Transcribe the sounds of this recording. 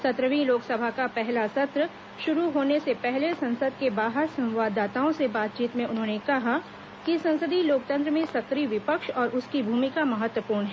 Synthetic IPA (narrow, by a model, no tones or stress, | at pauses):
sɐt̪ɾəʋĩloːksɐbʱakapɛɦlasɐt̪ɾə | ʃʊɾuɦoːnesepɛɦlesɐ̃nsəd̪̚ʱkebaːɦəɾsɐ̃mʋaːd̪ːaːt̪aːõsebaːt̪t͡ʃiːt̪mẽʊnɦõːnekɐɦa | kisɐ̃nsəd̪ʱiloːk̚t̪ə̃nt̪ɾəmẽsɐkɾiʋɪpəkʃɔːɾʔʊskibʱuːmikamɐɦət̪wəpuːɾɳɦɛː